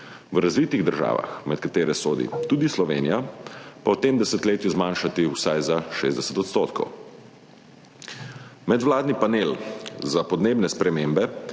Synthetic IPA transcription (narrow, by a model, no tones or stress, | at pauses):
ʋɾazʋiːt̪iɣd̪əɾʒa̰ːʋa̰xmɛt̪̚kat̪eːɾɛsoːd̪ḭt̪uːd̪islɔʋḛːnḭjapawt̪emd̪ɛsɛt̪leːt̪juzmaːnʃat̪iwsajzaʃḛːzd̪ɛsɛ̥t̪ɔt̪st̪oːt̪kɔ̰w | mɛd̪ʋlaːd̪nipanelzapɔd̪neːbnɛspɾɛmeːmbɛ